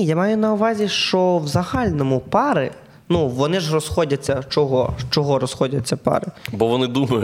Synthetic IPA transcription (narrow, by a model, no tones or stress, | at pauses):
jamɑjʊnɐʊʋɑzʲiʃt͡ʃɔwzɐhɑlʲnɔmʊpɑɾɪ̰ | nuʋɔnɪʒrɔsxɔdʲɐt͡sʲːɐt͡ʃɔɦɔʃt͡ʃɔɦɔɾɔsxɔdʲɐt͡sʲːɐpɑ̰ɾɪbɔʋɔnɪd̪umɐjʊ